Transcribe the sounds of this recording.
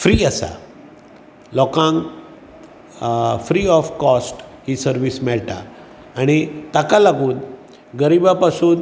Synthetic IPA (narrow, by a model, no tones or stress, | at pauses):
fɾiːasa̰ | lɔkãŋ | fɾiɔfkɔsʈhisəɾʋismɛɭʈa̰ː | ɽ̃it̪akalaɡuːn | ɡəɾibapasuːn